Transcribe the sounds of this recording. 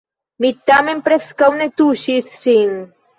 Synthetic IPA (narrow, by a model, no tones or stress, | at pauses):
mit̪ːamempɾeskawnet̪uʃissiŋ